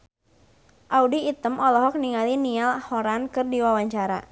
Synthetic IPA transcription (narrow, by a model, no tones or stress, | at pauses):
ʔaudiːt̪əmʔɔlɔɦɔk̚niŋalinialhɔɾankɨrdiwawaɲt͡ʃaɾa̰